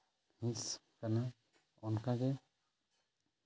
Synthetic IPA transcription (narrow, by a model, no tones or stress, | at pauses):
hĩskana | ɔnkaɡɛ